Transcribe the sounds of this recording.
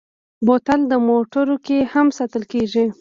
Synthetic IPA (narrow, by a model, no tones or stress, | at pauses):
bot̪ald̪əmoʈəɾokehamsat̪əlkeʐi